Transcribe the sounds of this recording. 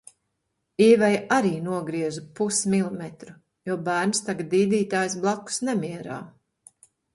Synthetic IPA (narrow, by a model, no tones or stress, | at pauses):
iːvajʔaɾiːnuɔɡɾiɛzupusmilˠɔmɛt̪ɾu | juɔbæːɾnst̪aɡat̪ːiːd̪iːt̪aːjs̬blˠaku̥snɛmʲiɛɾa̰ː